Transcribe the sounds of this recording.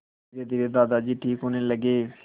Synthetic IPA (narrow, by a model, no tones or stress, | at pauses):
ɾeːd̪ɪɾeːd̪aːd̪aːd͡ʒiːʈʰiːkɦoneːləɡeː